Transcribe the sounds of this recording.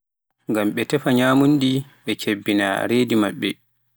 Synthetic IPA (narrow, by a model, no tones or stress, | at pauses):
ŋɡamɓɛtɛfaɲaːmundiɓɛt͡ʃebːina̰ɾeːdimaɓːɛ